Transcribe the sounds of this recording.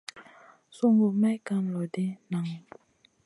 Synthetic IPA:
su˥ŋɡu˩˨ma˥˨ka˥˨mlɔ˨d̪e˩˨nna˩˨ŋ

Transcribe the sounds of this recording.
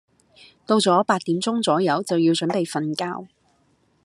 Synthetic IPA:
t̪o˧wt͡sɔː˨˥paː˧t̚t̪iː˨˥mt͡sʊ˥ŋt͡sɔː˨˥jɐ˨˥wt͡sɐ˨wjiː˧wt͡ʃɵ˨˥npe˨jfɐ˧nkaː˧w

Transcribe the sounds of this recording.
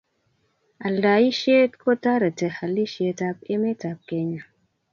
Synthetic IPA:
a˨lda˨i˦ʃe˦tko˦ta˦ɾə˨tə˨ha˨li˦ʃe˨ta˦p̚e˦me˦ta˨p̚ke˦ɲa˨

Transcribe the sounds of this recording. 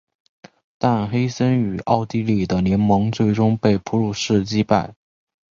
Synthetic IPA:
t̪a˥˧nxe˥ɪsə˥ny˨˩ʔɑ̰˥˩ʊt̪i˥li˥˩d̪ə˦ljɛ˧˥nmɑ˧˥ŋt͡swe˥˩ɪʈ͡ʂʊ˥ŋpe˥˩ɪpʰu˧˥ɻu˥˧ʂɻ̩˥˩t͡ɕi˥pa˥˩ɪ

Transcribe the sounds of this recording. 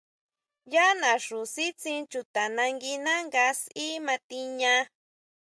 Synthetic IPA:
ja˦nã˨ʂu˨si˦t͡sĩ˧t͡ʃu˨t̪a˨nã˧ŋɡi˧nã˦ŋɡa˧si˦mã˧t̪i˧ɲã˧

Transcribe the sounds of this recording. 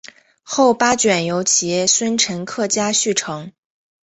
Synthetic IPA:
xo˥˩ʊpa˥t͡ɕɥɛ˨˩njo˧˥ʊt͡ɕʰi˨˩jɛ˥˩swə˥nʈ͡ʂʰə˧˥nkʰɤ˥˩t͡ɕja˥ɕy˥˩ʈ͡ʂʰɤ˧˥ŋ

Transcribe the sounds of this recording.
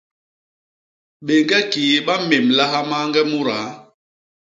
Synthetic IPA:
ɓe˨ŋɡɛ˦ki˨˦ɓa˦me˨mla˦ɦa˦ma˦ŋɡɛ˦mu˦ɾa˨˦

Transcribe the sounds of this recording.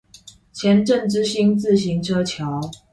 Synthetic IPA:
t͡ɕʰjɛ˨˦nʈ͡ʂə˥˨ŋʈ͡ʂɻ̩˥ɕi˥ŋt͡sɹ̩˥˨ɕ̬i˨˦ŋʈ͡ʂʰɤ˦t͡ɕʰjɑ˨˦ʊ

